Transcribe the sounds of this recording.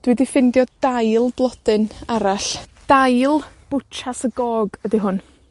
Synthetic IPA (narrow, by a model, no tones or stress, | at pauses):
d̥widifɪndjɔd̥ajlˠblˠɔdɨnaɾaɬd̥ajlˠb̥ʊt͡ʃʰasəɡɔːɡədiɦʊn